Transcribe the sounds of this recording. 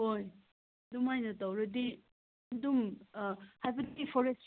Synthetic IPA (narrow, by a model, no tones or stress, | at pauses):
ɦoj | dumajnɐtawɾɐdi | ɐdum | hajbɐtipʰɔɾest